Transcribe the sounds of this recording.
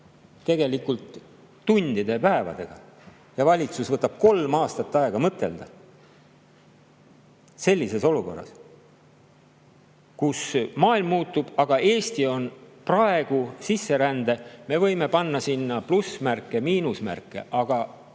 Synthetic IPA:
t̪e̞ɡ̥e̞likːult̪ː | unʲd̪̥id̪̥e̞pæe̞vɑ̰d̪̥e̞ɡ̥ɑ̰ | jɑvɑlʲit̪susvɤt̪ːˑɑb̥̚ko̞lmɑːst̪ɑt̪ˑːɑe̞ɡ̥ɑmɤt̪ːˑe̞̰ld̪̥ɑ | se̞lʲːise̞so̞luko̞̰rːɑ̰s | kusmɑːilmːuːt̪ːˑub̥ɑɡ̥ɑe̞ːst̪io̞nprɑe̞ɡ̥usisːe̞ɾænd̪̥e̞me̞vɤ̞jme̞pɑnːɑsinːɑplusmærkːˑemiːnusmæ̰rkːˑe̞̰ʔɑɡ̥ɑ

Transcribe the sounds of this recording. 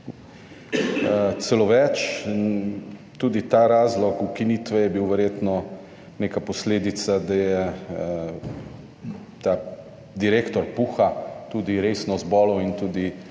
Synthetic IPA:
t̪sɛloʋɛt͡ʃ | t̪uːd̪it̪aɾaːzlɔkukinit̪ʋɛjɛbiwʋɛɾjeːt̪nɔ | nekapɔsleːd̪it̪sad̪ajɛ | t̪a | d̪iɾeːkt̪ɔɾpuːxat̪uːd̪iɾeːsnɔzbɔːlɔwint̪uːd̪i

